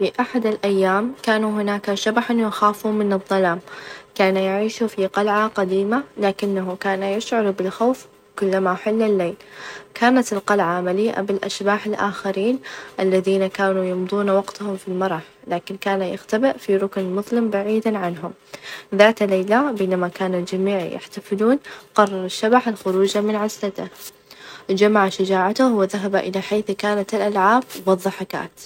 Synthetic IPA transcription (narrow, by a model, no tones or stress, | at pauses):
fiʔaħad̪alʔajːaːmkaːnuɦɪnaːkaʃabaħanjaxaːfuːmɪnɨðˤːɑlaːmkaːnajɪʕiːʃufiqɑlʕaqad̪iːmalaːkɪnːaɦʊkaːnajɪʃʕʊɾˤbɪlxawf | kʊlːamaħɪlːɪlːeːlkaːnat̪ɪlqɑlʕamaliːʔa̰bɪlʔa̰ʃbaːħɪlʔaːxaɾiːnʔalːaðiːnakaːnujʊmd̪ˤuːnawɑɡt̪ahʊmfilmɑɾˤɑħ | laːkɪnkaːnajɪ̰xt̪abɪʔfiɾˤʊknmʊðˤlɪmbaʕiːd̪aʕanɦʊmðaːt̪lajlabeːnamakaːnald͡ʒamiːʕja̰ħt̪afɪluːnqɑrˤːɑɾˤɑʃːabaħɪlxʊɾuːd͡ʒamɪnʕaslat̪ɪh | d͡ʒamaʕaʃad͡ʒaːʕat̪ʊhwɪðaɦabaʔɪlaħeːθkaːnat̪ɪlʔalʕaːbwɨðˤːɑħaka̰ːt̪